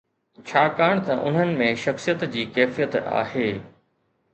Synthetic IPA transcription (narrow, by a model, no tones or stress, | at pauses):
t͡ɕʰaːkaːɽ̃t̪ɐʔʊ̰n̤ənɪ̆mẽʃɐxsijət̪d͡ʑiːkɛːfijət̪a̰ːɦeː